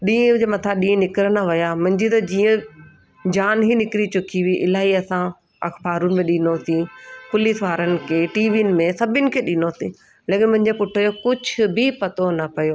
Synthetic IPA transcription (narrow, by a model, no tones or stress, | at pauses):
ɗĩːd͡ʑemɐt̪ʰaɗĩːnɪkɪɾənaʋɐjamʊ̃ɦɪ̃ɲd͡ʑit̪ɐd͡ʑiːə̃ | d͡ʑaːnɦinɪkɪɾit͡ɕʊkʰiʋiʔɪ̰laːiɐsã | ɐ̰xbaːɾʊnɪ̆mẽɗinosĩpʊlisʋaːɾənɪ̆kʰeːʈiːʋiːnɪ̆mẽsɐbʱɪnɪ̆kʰeːɗɪnosĩ | leːkɪnmʊ̃ɦɪ̃ɲd͡ʑepʊʈʰəd͡ʑokʊd͡ʑʱʊ̆bɪpɐt̪onɐpɐjoː